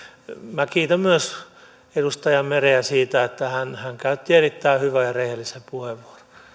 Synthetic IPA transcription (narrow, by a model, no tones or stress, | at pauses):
mækiːt̪æmmyøs | edust̪ɑjɑmmereæsiːt̪æet̪ːæhænhæŋkæyt̪ːierit̪ːæihyʋæjɑrehelːisempuheʋʋuoro̥